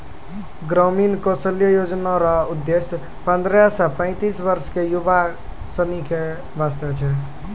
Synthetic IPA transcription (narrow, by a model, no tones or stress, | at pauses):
ɡɾəminkosəlijəjod͡ʒnaɾaud̪ːesj | pə̃nd̪ɾjasəpə̃ɪ̃t̪isbəɾskejuba | sənike | bast̪ət͡ʃʰɛ